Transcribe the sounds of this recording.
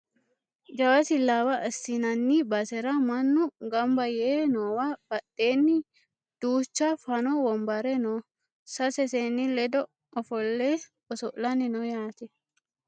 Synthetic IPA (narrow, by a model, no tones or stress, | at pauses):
d͡ʒɐwɐsɪlːaːwɐɐsːɪnɐnːibɐsɛɾɐmɐnːʊɡɐmbɐjenoːwab̥ɐɗːeːnːɪ | d̪̥uːt͡ʃːafɐnɔwɔmbɐɾɛno | sɐsɛseːnːɪlɛd̪ɔ | ɔfɔlːe | ɔsɔʔlɐnːɪnɔjaːt̪ɛ